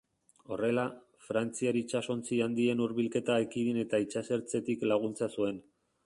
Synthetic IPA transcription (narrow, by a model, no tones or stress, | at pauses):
o̞re̞la | fɾant͡siaɾit͡ʃaso̞nt͡siand̪ie̞nuɾβilke̞t̪aakiðine̞t̪ait͡ʃase̞ɾt͡se̞t̪iklaɣ̞unt͡sasue̞n